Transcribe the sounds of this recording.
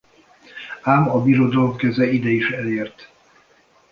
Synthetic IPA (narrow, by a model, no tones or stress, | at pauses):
aːmɒbiɾod̪ɒlomkɛzɛid̪ɛiʃɛleːrt̪